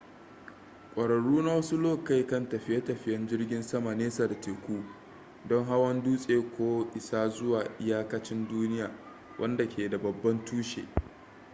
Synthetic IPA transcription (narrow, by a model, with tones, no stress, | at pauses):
kʷʼɐ˨ɽɐ˨ɽuː˦na˦wɐ˦su˦loː˦ka˦˨jkɐ˦ntɐ˨ɸɪ˦ja˦tɐ˨ɸɪ˦jɐ˦nd͡ʒɪ˦rɡʲɪ˦nsɐ˦ma˨neː˦sa˨da˨teː˨kʷuː˦ | dɔ˦ŋɦa˦wɐ˦nduː˦sʼeː˨kʷoː˦ʔɪ˨sa˦zʊ˦waː˨ʔɪ˦jaː˦kɐ˦t͡ʃɪ˦nduː˦nɪ˦jaː˨ | wʔɐ̰˦nda˨kʲʰeː˨da˨bɐ˨bːɐ˦ntuː˦ʃḛː˨